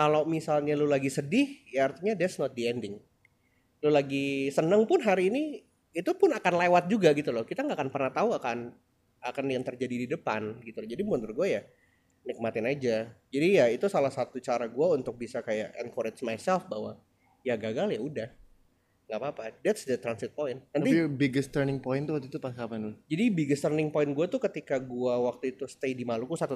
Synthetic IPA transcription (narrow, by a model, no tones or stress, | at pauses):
kalomisalɲalulaɡisədɪhjaart̪iɲadɛt̪snɔt̪̚diɛndɪŋ | lulaɡisənəŋpʊnɦaɾiːniː | t̪upʊnakanlewat̪̚d͡ʒuɡaɡit̪ulʊhkit̪aŋɡaʔːkanpərnaht̪auakan | akanjaŋt̪ərd͡ʒadididəpa̰nɡit̪ulʊd͡ʒadimɔnt̪ʊrɡuaja | nɪk̚mat̪ɪnad͡ʒad͡ʒadijait̪usalahsat̪ut͡ʃaɾaɡuaunt̪ʊk̚bisakajaʔɛ̰nkoɾɪt̪smajsɛlfbaɦwa̰ | jaɡaɡaljaudah | ŋɡapaːpadɛt̪sdət̪ɾansɪt̪̚poɪnnant̪ibiɡəst̪ərnɪŋpoɪnt̪uwak̚t̪ut̪upakapand͡ʒadibiɡəst̪ərnɪŋpoɪnɡuat̪ʊkət̪ikaɡuawak̚t̪uit̪ust̪ejdimalukusat̪u